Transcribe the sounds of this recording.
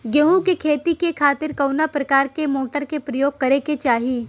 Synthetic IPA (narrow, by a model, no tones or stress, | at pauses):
ɡeɦũkekʰeːt̪ikekʰaːt̪ɪɾkɐʊnapɾɐkaːɾkemoːʈəɾkepɾɐjoːɡ̚kɐɾeket͡ʃaːɦiː